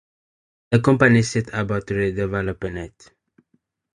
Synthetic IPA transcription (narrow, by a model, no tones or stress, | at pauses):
dəkɔ̃mpanisɛtabatɹidɛvɛlɔpənɛt